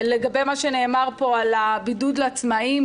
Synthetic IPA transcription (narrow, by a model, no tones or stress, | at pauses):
leɡabe̞jmaʃene̞ːmaʁpo̞alabidud̪lat͡smaim